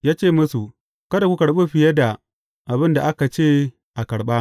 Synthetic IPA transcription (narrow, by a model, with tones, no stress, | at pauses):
jaː˦t͡ʃeː˦˨mʊ˦su˨ | kɐ˦da˨kʷu˦kɐ˨ɽɓe˦ɸɪ˨jɐ˦da˨ | ʔa˨bɪ˦nda˨ʔa˦ka˨t͡ʃeː˦˨ | ʔa˨kɐ˨ɽɓa˦